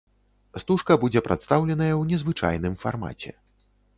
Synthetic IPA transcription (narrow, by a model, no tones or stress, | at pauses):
st̪uʂkɐbud͡zʲɛpɾat̪st̪awlʲɛn̪ɐjɐwnʲɛzvɨt͡ʂa̰jnɨmfa̰rma̰t͡sʲɛ̰